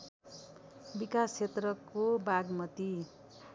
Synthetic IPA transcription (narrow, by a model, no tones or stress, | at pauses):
bikast͡ʃʰet̪rʌkobaɡmʌt̪i